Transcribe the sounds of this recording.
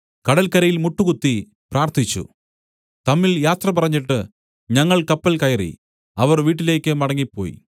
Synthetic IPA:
kɐɽɐlkɐɾɐjilmuʈːukut̪ːi | praːrt̪ʰit͡ɕːṵ | t̪ɐmːiljaːt̪rɐpɐrɐɲːiʈːɨ | ɲɐŋːɐɭkɐpːɐlkɐjɐrḭ | ɐʋɐrʋiːʈːile̞ːkːɨmɐɽɐŋːipːo̞̰ːjḭ

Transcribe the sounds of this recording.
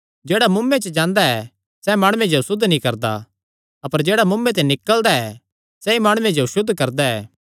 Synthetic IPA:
d͡ʒeːɽamʊmːẽt͡ʃəd͡ʒãːnd̪aɛ | sɛmaːɽ̃uẽd͡ʒosʊd̪ʱːnĩkɐɾd̪a̰ | ɐpəɾd͡ʒeːɽamʊmːẽt̪̬ɛ̃nɪkːəld̪aɛ | sɛimaːɽ̃ʊẽd͡ʒoʃʊd̪ʱːkɐɾd̪aɛː

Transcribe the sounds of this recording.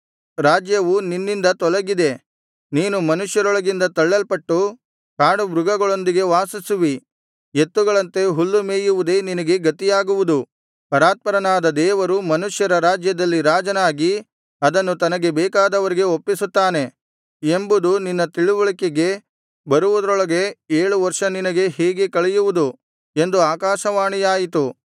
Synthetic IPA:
ɾaːd͡ʒjɐʋuninːind̪ɐt̪ɔlɐɡid̪e̞ | niːnumɐnuʂjɐɾɔɭɐɡind̪ɐt̪ɐɭːɐlpɐʈːu | kaːɳubɾuɡɐɡɐɭo̞nd̪iɡe̞ʋaːsisuʋi | et̪ːuɡɐɭɐnt̪e̞ɦulːumeːjuʋud̪e̞ːninɐɡe̞ɡɐt̪ijaːɡuʋud̪u | pɐɾaːt̪̚pɐɾɐnaːd̪ɐd̪ɛːʋɐɾumɐnuʂjɐɾɐɾaːd͡ʒjɐd̪ɐlːiɾaːd͡ʒɐnaːɡi | ɐd̪ɐnːut̪ɐnɐɡe̞bɛːkaːd̪ɐʋɐɾiɡe̞opːisut̪ːaːne̞ | embud̪uninːɐt̪iɭuʋɐɭikeɡe̞ | bɐɾuʋud̪ɾɔɭɐɡe̞eːɭuʋɐɾʂɐninɐɡe̞ɦɛːɡekɐɭɛjuʋud̪u | e̞nd̪uaːkaːʃɐʋaːɳijaːjit̪u

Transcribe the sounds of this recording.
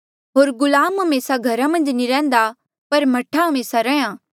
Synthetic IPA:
ɦoːɾɡʊlaːmɦɐmeːsaɡʱɐɾamɐ̃nd͡ʒniɾɛ̃ːn̆d̪a | pɐɾmɐʈʰaɦɐmeːsaɾɛjãː

